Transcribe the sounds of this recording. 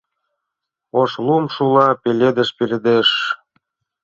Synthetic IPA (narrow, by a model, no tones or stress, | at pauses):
oʃlumʃulɑpelʲed̪ə̆ʃpelʲĕd̪eʃ